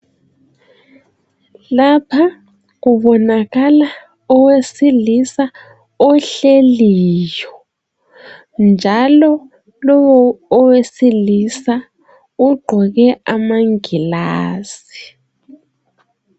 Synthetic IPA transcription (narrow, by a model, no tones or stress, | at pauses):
lapʰa | ɣuβɔnaɣala | ɔwesilisa | ɔɬeliːjɔ | nd͡ʒʱalɔ | lɔwɔːwesilisa | uɡ͡ǃʱɔɣɛʔamaŋilaːsi̥